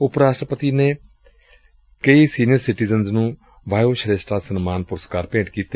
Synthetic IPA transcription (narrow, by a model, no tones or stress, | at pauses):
ʊpɾaːʃʈɾəpət̪iːneː | kəiːsiːnɪjəɾsɪʈiːzənznũː | baːjoːʃəɾesʈaːsənmaːnpʊɾəskaːɾpẽːɳʈkiːt̪eː